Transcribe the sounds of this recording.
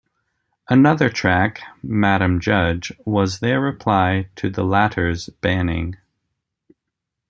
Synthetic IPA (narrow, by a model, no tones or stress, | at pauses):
ʔənʌðə˞tʰɹ̥ækmæɾɨ̃md͡ʒʌd͡ʒwʌzðə˞ɹɨpʰl̥aɪɾʰɨðəlæɾə˞zb̥æ̃nɪ̰̃ŋ